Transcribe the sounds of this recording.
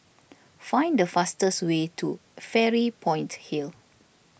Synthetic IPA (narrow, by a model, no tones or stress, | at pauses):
fãj̃ndəfastəswetʰufɛɹipʰɔ̃j̃nthil